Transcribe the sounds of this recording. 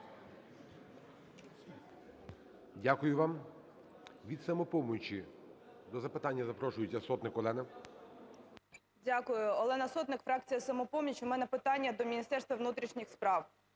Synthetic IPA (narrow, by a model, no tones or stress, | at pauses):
dʲakʊjʊʋɑm | ʋʲid̪sɐmɔpɔmʊt͡ʃi | d̪ɔzɐpɪt̪ɑnʲːɐzɐpɾɔʃʊjɪt͡sʲːɐsɔt̪nɪkɔlˠɛnɪ | dʲakʊjʊɔlˠɛnɐsɔt̪nɪkfɾɑk̚t͡sʲijɐsɐmɔpɔmʲit͡ʃʊmɛnɛpɪt̪ɑnʲːɐd̪ɔmʲinʲist̪ɛrst̪ʋɐʋnut̪ɾʲiʃnʲixspɾɑw